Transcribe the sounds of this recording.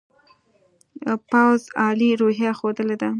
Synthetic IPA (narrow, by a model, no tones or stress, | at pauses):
pawzɑliɾoɦjaxod̪əled̪a